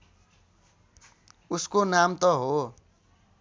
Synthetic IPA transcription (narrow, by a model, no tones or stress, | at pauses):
uskonamt̪ʌɦo